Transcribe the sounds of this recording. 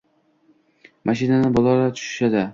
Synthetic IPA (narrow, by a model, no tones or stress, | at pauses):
mʔaʃɪnanɪbɒlˠɒɾat̪ʰʊ̥ʃɪ̥ʃad̪ɪ